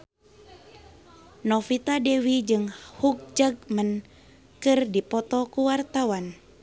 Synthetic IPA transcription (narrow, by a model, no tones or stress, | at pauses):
nɔfit̪adɛwid͡ʒɨŋhuk̚d͡ʒaɡ̚mən | kɨrdipɔt̪ɔkuwart̪awan